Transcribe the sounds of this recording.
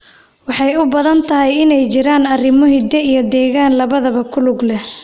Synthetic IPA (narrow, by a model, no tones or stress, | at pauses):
wɑħɑjʊbɐðɐnt̪ʰɐɦɛjɪnɛjt͡ʃɪɾaːnɐrɪmɔɦɪd̪ɛijɞd̪ɛːɣaːnlɐβɐðɐβɐkʰʊlʊɡlɛ